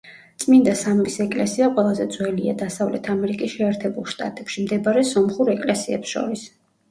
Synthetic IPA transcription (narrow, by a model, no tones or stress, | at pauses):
t̪sʼmind̪asammisɛkʼlɛsiaqʼwɛlˠazɛd̪zwɛlia̰d̪asavlɛt̪ʰamɛɾikʼisʃɛɛɾt̪ʰɛbulˠʃt̪ʼa̰t̪ʼɛpʃimd̪ɛbaɾɛsɔmχuɾɛkʼlɛsiɛ̰psʃɔ̰ɾis